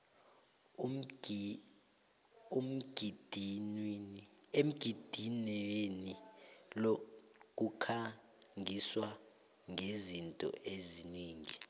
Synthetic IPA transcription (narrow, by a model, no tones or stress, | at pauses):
um̩ɡd̥ʱ | em̩ɡ̥ʱid̥ʱinɛjenilok̬ʼukʰa | ŋiswa | ŋʱezintʼɔ̰ʔeziniːŋi